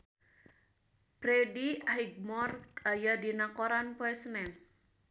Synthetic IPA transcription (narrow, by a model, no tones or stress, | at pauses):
b̥ɾediaɦiɡ̚mɔrkajadinakoɾanpoɛsnɛn